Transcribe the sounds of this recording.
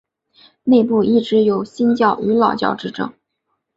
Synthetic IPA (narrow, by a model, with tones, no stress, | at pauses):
ne˥˧ɪpu˥˧i˥˩ʈ͡ʂɻ̩˧˥jo˨˩ʊɕi˥nt͡ɕjɑ˥˩ʊy˧˥lɑ˨˩ʊt͡ɕjɑ̰˥˧ʊʈ͡ʂɻ̩˥˧ʈ͡ʂɤ̰˥˩ŋ